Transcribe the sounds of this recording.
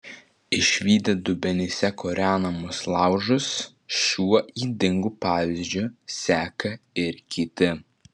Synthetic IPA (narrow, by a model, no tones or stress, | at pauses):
ɪʃʲʋʲiːd̪ʲɛd̪ʊbʲɛnʲɪsʲɛkʰoːɾʲæːnɐmʊslˠɑˑʊʒʊs | ʃʲuɔʔiːd̪ʲɪŋɡuːpɑːʋʲɪzʲd͡ʒʲʊsʲæːkɐɪɾkʲiːt̪ʲɪ